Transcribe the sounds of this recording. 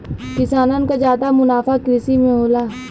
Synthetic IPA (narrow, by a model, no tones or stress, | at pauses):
kɪsaːnankad͡ʒaːd̪amʊnaːfakɾɪsimẽɦoːlaː